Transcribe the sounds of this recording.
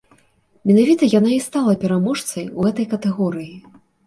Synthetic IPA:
mʲɛnavʲit̪ɐjan̪aist̪alˠɐpʲɛɾamɔʂt̪sɐjuɣɛt̪ɐjkɐt̪ɛɣɔɾɨji

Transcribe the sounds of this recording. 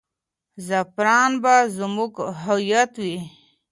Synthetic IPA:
zapɾɑːnbazmuɡɦajat̪wi

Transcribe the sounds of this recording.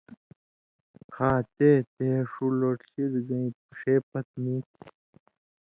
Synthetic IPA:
kʰaːt̪eːt̪eːʂuloːʈɬiɾɡɐ̃ĩp̪̚u̥ʂeːpɐt̪̚miːt̪ʰi

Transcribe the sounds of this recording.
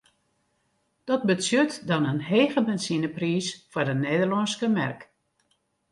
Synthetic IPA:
d̥ɔt̚bəsøtdɔnənɦeːɣəbɛnsinəpriːsfɔrdəneːdərlɔnskəmɛ̰rk

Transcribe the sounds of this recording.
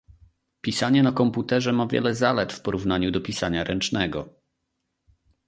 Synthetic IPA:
pʲisaɲɛnakɔmput̪ɛʐɛmavʲjɛ̰lɛzalɛt̪fpɔɾuvnaɲud̪ɔpʲisaɲaɾɛnt͡ʂnɛɡɔ

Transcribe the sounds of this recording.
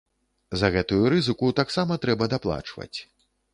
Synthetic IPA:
zɐɣɛt̪ujuɾɨzɨkut̪aksamɐt̪ɾɛbɐd̪aplˠa̰t͡ʂvɐ̰t͡sʲ

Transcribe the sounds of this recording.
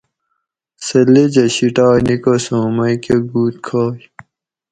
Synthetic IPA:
sɐlːed͡ʑɐɕiʈaːjnikosõːmɐjkeɡuːt̪̚kʰaːj

